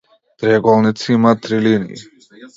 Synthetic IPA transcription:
t̪ɾɛɡɔlˠnit̪simat̪ɾilinḭjḭ

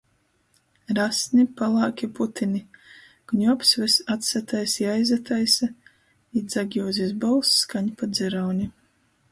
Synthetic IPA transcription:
ɾasnʲipalˠɑːkʲiput̪ʰinʲi | kuɲʲuapsvɛsat̪sat̪ajsjajzat̪ʰajsa | id̪zaɡʲjɔːzʲizbɔlˠsːkaɲpad̪zɛɾawnʲi

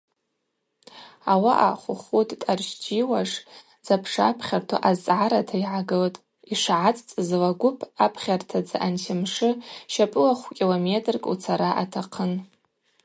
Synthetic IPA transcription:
awaʔa̰χʷʊχutʼtʼarʃd͡ʒiwaʂ | d͡zapʰʂapʰχʲartʰa̰ʔazʕaɾatʰaiʕaɡɨltʼ | iʂʕat͡sʼt͡sʼzlaɡʷʊpʰapʰχʲartʰad͡zaʔantʰɪmʂɨʃapʼɨlaχʷkʲʼilometʼrkʼut͡sʰaɾaʔatʰaqʰən

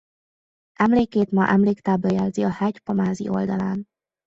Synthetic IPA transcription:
ʔɛmleːkeːt̪mɒʔɛmleːkt̪aːblɒjɛlziɒhɛcpɒmaːzḭʔo̞̰ld̪ɒlaːn

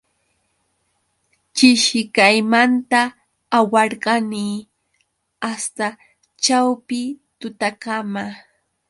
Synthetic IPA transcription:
t͡ʃɪʃɪkajmant̪aː | wɑɾɢɑnɪ | ast̪a | t͡ʃawpɪt̪ʊt̪akama

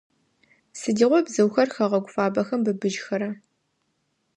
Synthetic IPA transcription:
sɨdiːʁʷɔbzɨwxɐrxɐʁɐɡʷʊfaːbɐxɐmbɨbɨʒxɐɾɐ

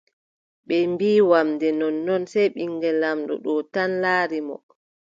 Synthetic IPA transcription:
ɓɛmbiːwamdɛnɔnːɔnsɛjɓiŋɡɛlamɗɔ̰ɗɔtanlaːɾimɔ̰

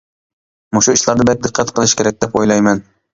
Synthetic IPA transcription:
mʊʃʊiʃlˠaɾd̪ɪbet̪̚d̪ɨqʰːɑt̪qʰɨlˠɪʃkʲʰe̞ɾak̚ʲd̪epojlˠajman

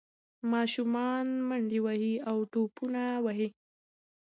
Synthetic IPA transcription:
mɑʃumɑnməɳɖiwaɦiawʈopunawaɦi

